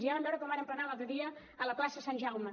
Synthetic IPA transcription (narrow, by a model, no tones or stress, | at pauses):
ʒiaβəndɔɾəkɔmaɾəmplənalˠalˠt̪ɾəðiəː | ləklasəsanʲʒawmə